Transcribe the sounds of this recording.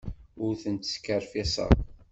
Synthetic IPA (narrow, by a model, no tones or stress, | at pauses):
ʊɾθənt̪skːəɾfisə̰